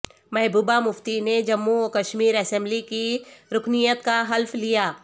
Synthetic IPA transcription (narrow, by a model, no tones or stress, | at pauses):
mɛɦbuːbamʊft̪ined͡ʒɐmːukɐʃmiːɾɐsɛ̃mblikiɾʊknijət̪kaɦɐlflijaː